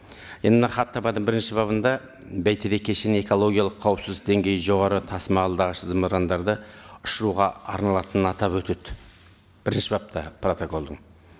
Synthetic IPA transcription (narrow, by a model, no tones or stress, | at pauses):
jenmnɑχɑt̪ʰːɑpɑd̪əɴbɪɾɪnʃɪbɑβənd̪ɑ | bæjt̪ʰeɾe̞kʲːeʃænee̞ko̞lˠo̞ɡʲijɑlˠəqʰːɑwəpsɪzd̪ɪq̚d̪e̞ŋɡʲe̞jəʒo̞ʁɑɾət̪ʰɑsmɑɑlˠd̪ɑʁəʃəzəməɾɑnd̪ɑɾd̪əʊʃəɾuʁɑɑ̰ɾnɑlˠɑt̪ənənɑt̪ɑpwɵt̪ed̪ɪ | b̥ɪɾɪnʃɪbɑp̚t̪ʰɑpro̞t̪oko̞lˠd̪əɴ